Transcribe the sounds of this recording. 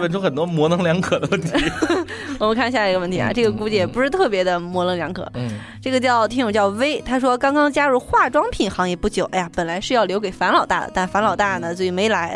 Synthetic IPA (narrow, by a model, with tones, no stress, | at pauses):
ə˥nʈ͡ʂʰʊ˥xə˨˩nt̪wɔ˥mwɔ˧˥nɤ˧˥ŋljɑ˧˥ŋkʰɤ˨˩d̪ə˦wə˥˩nt̪ʰi˧˥wwɔ˨˩mə˧˦ŋkʰa˥˧nɕja˥˧˩ɡə˧wə˥˩nt̪ʰa̰˧˩ʈ͡ʂɤ˥˩ɡə˩ku˧˥˩t͡ɕi˧˥jɛ˨˩p̬ʂɻ̩˧t̪ʰɤ˥˩pjɛ˧˥d̪ə˧mwɔ˧˥lɤ˥˧ŋljɑ˧˥ŋkʰɤ̰˨˩˦ | ʈ͡ʂɤ˥˩ɡə˩t͡ɕjɑ˥˩ʊt̪ʰi˥ŋʈ͡ʂʊ˨˩t͡ɕjɑ˥˩ʊʋe˥ɪt̪ʰa˥ʂ̬wɔ˥kɑ˥ŋkɑ˥ŋt͡ɕja˥ɻu˥˧xwa˥˩ʈ͡ʂwɑ˥ŋpʰi˨˩nxɑ˧˥ŋɛ˧˥pu˥˩t͡ɕjo˨˩˦ʊʔa˥ɪja˧˩pə˨˩nla˨˧˥ɪʂɻ̩˥˧jɑ˥˩ʊljo˧˥ʊke˨˩ɪfa˧˥nlɑ˨˩ʊt̪a̰˥˩d̪ə̰˩t̪a˥˩nfa˧˥nlɑ˨˩ʊt̪a˥˩nə˩sɔ˥i˨˩me˧˥ɪla˧˥ɪ